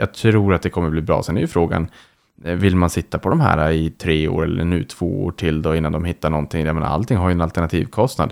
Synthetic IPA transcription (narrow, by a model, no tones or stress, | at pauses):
jɑt̪ʰɾuːɾat̪̚d̪ɛkʰɔmːəbliːbɾɑ̰ːsɛnɛɾjʏfɾoːɡa̰n | vɪlmansɪt̪ːapʰɔd̪ɔmɦæ̰ːɾaɪt̪ʰɾeːo̰ːɾɛ̰lːʔə̰ɳʉ̟ːt̪ʰv̥o̰ːo̰ːʈʰɪld̪ɔɪnːand̪ɔmɦɪt̪ːaɳɔnt̪ʰɪŋjamɛna̰a̰lt̪ʰɪŋːɦaɾjɵɛnalt̪ɛɳat̪ʰḭːvkʰɔst̪na̰d̪